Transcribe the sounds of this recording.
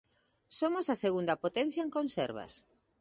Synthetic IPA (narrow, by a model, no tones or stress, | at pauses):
somosaseɣund̪ɐpot̪ɛn̟θjaɐeŋkonseɾβɐ̰s